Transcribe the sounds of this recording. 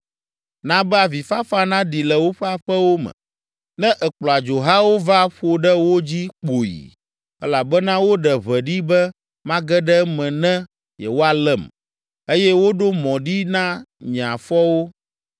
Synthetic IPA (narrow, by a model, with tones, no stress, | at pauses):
nã˦bɛ˦a˨vi˨fa˦fa˦nã˦ɖi˨lɛ˨wo˦ɸɛ˦a˨ɸɛ˦wo˦mɛ̰̃˨ | nɛ̃˦ʔɛ˨k͡plɔ˨a˨d͡ʒo˨ɦa˦wo˦va˦ɸo˨ɖɛ˦wo˦d͡ʑi˦k͡po˨jḭ˨ | ɛ˦la˨bɛ˦nã˦wo˦ɖɛ˨βɛ˨ɖi˦bɛ˦ | mã˦ɡɛ˦ɖɛ˦mɛ̃˨nɛ̃˦ | jɛ̰˨wo˦a˨lɛ˦˨m | e˦jɛ˦wo˦ɖo˦mɔ̃˨ɖi˦nã˦ɲ˨ã˨fɔ˦wo˦